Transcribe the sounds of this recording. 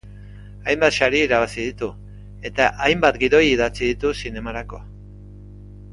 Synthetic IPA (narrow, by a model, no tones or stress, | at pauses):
ajmbat̪ʃaɾiiɾaβasið̞it̪u | e̞t̪aʔajmbat̪ɡiðo̞jiðat͡siðit̪usine̞maɾako̞a